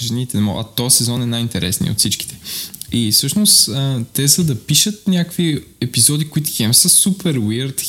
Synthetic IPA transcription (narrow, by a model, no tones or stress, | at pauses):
ʒɛnit̪ɛɛmɔ̰ʔɐ̰t̪ɔsɛzɔnɛnajint̪ɛɾʔɛsnḭo̰t̪sit͡ʃki̥t̪ɛ̥ifsɤʃnost̪t̪ɛzəd̪ɐpiʃət̪nʲakviɛpizɔd̪ikoit̪ʊ̥xʲɛmsəsupɛɾwiɾt̪